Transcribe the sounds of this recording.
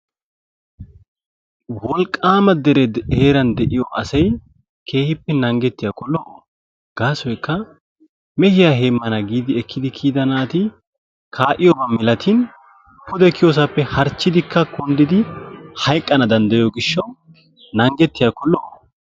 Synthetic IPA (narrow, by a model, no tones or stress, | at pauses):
wɔlkʼːaːmɐd̪ɛɾɛeːɾɐnd̪ɛʔɪjɔʔɐsɐj | kʰe̞ːhɪpːɛnɐŋɡɛt̪ːɪjakɔlːɔʔ | ɡ̥aːsɔjkːɐ | mɛhɪjaheːmːɐnɐɡiːd̪ɪɛkʰːɪd̪ɪkʰiːd̪ɐnaːt̪ɪ | kʰaːʔɪjɔbɐmɪlɐt̪ʰin | pʰʊd̪ɛkʰːɪjos̬ɐpːɛhɐɾt͡ʃːɪd̪ɪkːɐkɔnd̪ɪd̪ɪhɐjkʼːɐnɐd̪ɐnd̪ɐjɔɡɪʃːɐw | nɐŋɡɛt̪ːɪjakɔlːɔʔɔ